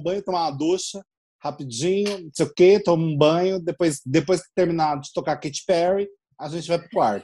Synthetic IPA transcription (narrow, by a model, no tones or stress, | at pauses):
bɐ̃jʊt̪õmaad̪uʃɐ | hapid͡ʒĩɲʊnũsejʊket̪õmũbɐ̃ɲʊd̪epojsd̪epojskɪ̥t̪eɾminad͡ʒɪt̪okaket͡ʃɪ̥pɛɾi | aʒẽnt͡ʃɪvajpɾʊkwaɾt̪ʊ